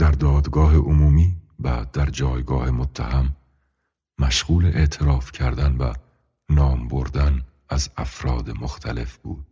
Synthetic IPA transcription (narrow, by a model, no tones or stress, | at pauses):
d̪̥æɾd̪ɒːd̪ɡɒːɦeʔomuːmiːbæ̰ːd̪æɾd͡ʒɒːjɡɒːhe̞mot̪ʰːæhæmː | æʃɣuːleʔeʔt̪ʰeɾɒːfcʰæɾd̪ænbæ̰ | nɒːmbo̞ɾd̪æn | æzæfɾɒːd̪emoxt̪ʰæ̰le̞fb̥ṵːd̪̥̚